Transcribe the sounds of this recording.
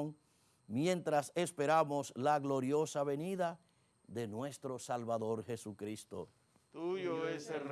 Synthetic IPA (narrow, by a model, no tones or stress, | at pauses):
ŋ | mjẽnt̪ɾase̞spe̞ɾamo̞slaɣlo̞ɾjo̞saβe̞niða | ðe̞nwe̞st̪ɾo̞salβaðo̞ɾxe̞sukɾist̪o̰ | t̪uoes